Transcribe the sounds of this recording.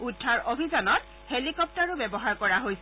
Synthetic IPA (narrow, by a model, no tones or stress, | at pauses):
udʱːaɹʔobʱizɔnɔt̚ | helikɔp̚taɹʊbɛbɔɦaɹkɔɹaɦojsɛ